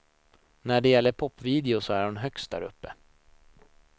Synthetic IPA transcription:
næɖɛjɛlːəɾpʰɔpːviːd̪ɪʊsɔæɾhʊnɦœkst̪̚d̪æ̰ɾɵ̰pːə

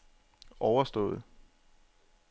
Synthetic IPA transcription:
ɒʊɐsd̥ɔ̽ːð̩ˠ

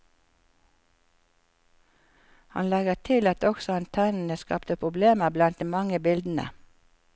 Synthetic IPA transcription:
hɑ̰nlɛɡəʁt̪ʰɪlɑt̪ɔksɔɑnt̪ʰɛnn̩əskɑ̰pt̪əpʰʁʊbleːməʁblɑnt̪̚d̪iːmɑŋəbɪld̪n̩ə̰

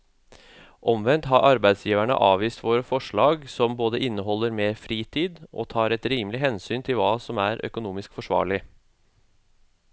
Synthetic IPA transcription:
ʔɔmʋɛnt̪ɦɑɾʔɑɾbæɪd̪sjiːʋæɳə̰ʔɑːʋiːst̪ʋoːɾəfɔʂɭɑːɡsɔmboːd̪əʔɪnːəɦɔlːəɾmeːɾfɾiːt̪ʰiːd̪ʔɔ̰t̪ʰɑːɾɛt̪ɾiːmlɪɦɛnsyːnt̪ʰɪlʋɑːsɔmæːɾʔœ̰kʊnuːmɪskfɔʂʋɑ̰ːɭɪ

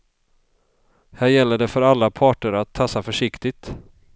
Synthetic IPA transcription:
hæːɾjɛlːəɖɛfœɾalːapʰɑːʈəɾat̪ʰːasafœʂɪkt̪ɪɡ̚t̪

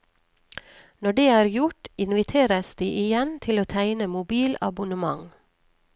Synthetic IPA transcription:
nɔɖeːæːɾjʊʈɪnʋɪt̪ʰeːɾəsd̪iːʔɪjɛnt̪ʰɪloːt̪ʰæɪnəmʊbiːlɑ̰bʊnəmɑ̰ŋ

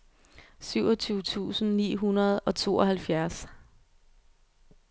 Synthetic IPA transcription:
syʊɒt͡sʰuːʊət͡sʰṵːsn̩nḭːɦunɐð̞̩ˠɒ̽t͡sʰo̝̰ːɒɦælfjæɐs

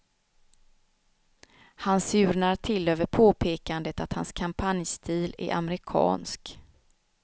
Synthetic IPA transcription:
hansʉ̟ːɾɳaɾʈʰɪløːvəɾpʰoːpʰeːkand̪ət̪at̪hanskʰampʰanjst̪ʰiːlæ̰ɾʔa̰mɛɾɪkʰɑ̰ːnsk

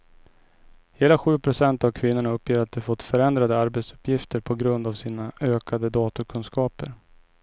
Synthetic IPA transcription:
heːlaɧʉ̟ːpʰɾʊsɛnt̪avkʰvɪnːʊɳaɵpːjeːɾat̪̚d̪ɛfɔt̪ːfœɾɛnd̪ɾad̪əaɾbet̪sɵ̥pjɪft̪əɾpʰɔɡɾɵnd̪avsiːnaʔøːkʰad̪əd̪ɑːt̪ʊɾkʰɵnskɑːpəɾ

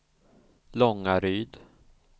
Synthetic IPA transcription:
lɔŋːaɾyːd̪

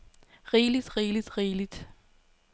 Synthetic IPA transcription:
ʁiːlid̥ʁiːlid̥ʁiːlid̥

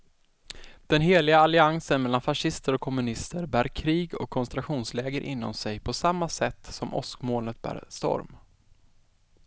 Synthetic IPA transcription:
d̪̥ɛnɦeːlɪɡaːlɪaŋsənmɛlːanfaʂɪst̪əɾɔkʰːɔmɵnɪst̪əɾbæːɾkʰɾiːɡɔ̰kʰːɔnst̪ɾaɧuːnslɛːɡəɾʔɪ̰nːɔ̰msɛjpʰɔsamːasɛt̪ːsɔmʔɔ̰skmoːlnət̪̚bæ̰ːɾst̪ɔ̰ɾm

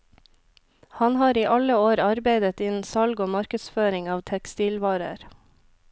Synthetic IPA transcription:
hɑnhɑːɾiːʔɑləoːɾɑɾbeɪd̪ət̪ɪnsɑlɡoːmɑɾkəsføːɾɪŋɑːʋt̪ʰɛkst̪iːlʋɑːɾə̰ɾ

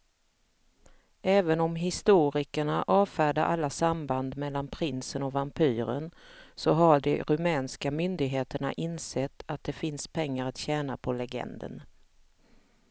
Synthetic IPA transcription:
ɛːvənɔmɦɪst̪uːɾɪkəɳaʔɑːvfæːɖaʔalːasamband̪mɛlːanpʰɾɪnsənɔvampʰyːɾə̰nsɔɦaɖɛɾɵmɛːnskamʏnd̪ɪɡɦeːt̪əɳaʔɪnsɛt̪ːat̪̚d̪ɛfɪnspʰɛŋːaɾat̪ɕɛːnapʰɔlɛɡɛ̰nd̪ə̰n

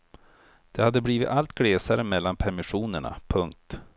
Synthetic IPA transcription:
d̪̥ɛhad̪ːəbliːvɪt̪alt̪ɡɽeːsaɾəmɛlːanpʰɛɾmɪɧuːnəɳa̰pʰɵŋk̚t̪

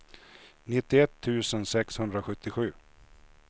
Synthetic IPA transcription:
nɪt̪ːɪɛt̪ʰːʉ̟ːsənsɛkshɵnd̪ɾaɧɵt̪ːɪɧʉ̟ː

